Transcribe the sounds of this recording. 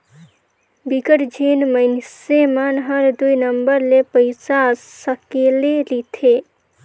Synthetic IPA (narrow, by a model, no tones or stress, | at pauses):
bikəɾd͡ʒʱenməɪnsemanɦəɾd̪ujnəmbəɾlepəɪsasəkelelit̪ʰe